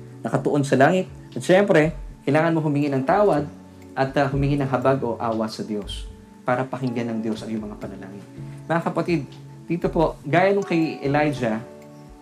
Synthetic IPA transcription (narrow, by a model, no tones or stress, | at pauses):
nɐkɐt̪ʊʔo̞nsɐlaːŋɪt̪̚ | ʔɐt̪ʃɛmpɾɛkɐjlaːŋɐnmoɦʊmɪŋinɐŋt̪aːwɐd̪̚ | ʔɐt̪ɐhʊmɪŋinɐŋɦɐbaɡo̞ʔaːwɐsɐd̪jo̞s | paːɾɐpɐhɪŋɡɐnɐŋd̪jo̞sɐŋjʊŋmɐŋapɐnɐla̰ːŋɪnmɐŋakɐpɐt̪id̪̚ | d̪iːt̪o̞po̞ʔɡaːjɐnoŋkɐjɛlajd͡ʒɐ